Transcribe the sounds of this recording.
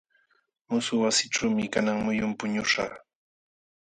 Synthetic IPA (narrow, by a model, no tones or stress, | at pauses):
mʊsʊwasɪʈ͡ʂawmɪkanaŋmʊjʊmpʊɲʊʃɑ̰χ